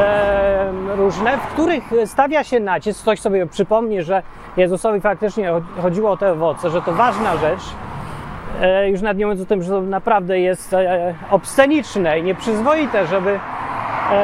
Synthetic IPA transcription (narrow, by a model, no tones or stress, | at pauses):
ɾuʐnɛfkt̪uɾɘxst̪avʲjaɕɛnat͡ɕiskt̪ɔɕsɔbʲjɛpʂɘpɔmɲɛʐɛ | jɛzusɔvʲifak̚t̪ɘt͡ʂɲɛɔxɔd͡ʑiwɔɔt̪ɛɔvɔt̪sɛʐɛt̪ɔvaʐnaʐɛt͡ʂ | juʂ̬nad̪̚ɲɛmvjnɔt̪ɨmʐɛt̪ɔnapɾavd̪ɛjɛst̪ | ɔpsɛɲit͡ʂnɛiɲɛpʂɘzvɔjit̪ɛʐɛbɘ